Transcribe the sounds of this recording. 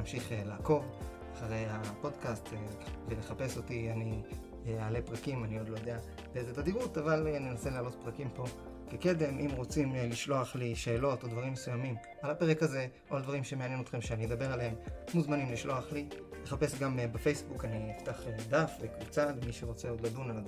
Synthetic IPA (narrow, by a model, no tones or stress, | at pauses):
amʃiχelaːko̞v | aχaʁe̞japo̞d̪kast̪evele̞χape̞so̞t̪iani | aːle̞pʁakimanio̞d̪lojod̪e̞a | beezet̪ad̪iʁutavalnenaseleːlo̞t̪pʁakimpo̞ | keke̞de̞mʔimʁo̞t͡simliʃlo̞aχliʃe̞ːlo̞to̞d̪vaʁimːesujamim | alape̞ʁekaze̞ | oald̪vaʁimʃe̞meanjeno̞t̪χe̞mʃeanied̪abe̞ʁalehemmuzmanimliʃlo̞aχli | le̞χape̞sɡambefe̞jsbukaninift̪aχed̪afvekvut͡salemiʃeʁo̞t͡se̞o̞d̪lad̪unala